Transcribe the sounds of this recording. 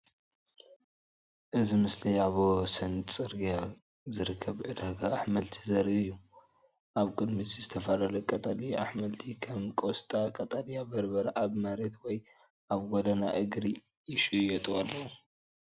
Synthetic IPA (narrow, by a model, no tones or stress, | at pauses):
ʔɨzimɨsliaβosɐnt͡sʼɨɾɡija | zɨɾɨkʰːɐβʕɨd̪aɡaaħmɐlt̪ʰi̥zɐɾʔɨjːu | ʔaβkʼɨd̪misizɨt̪ʰɐfalɐlɐkʼɐt̪ʼalia̰ħmɐlt̪ʰikʰɐmkʼost̪ʼakʼɐt̪ʼalijabɐɾbɐɾaʔaβmaɾet̪wɔj | ʔaβɡod̪ɐna̰ʔɨɡɾi | jɪʃujɛt̪ʼualːɐwu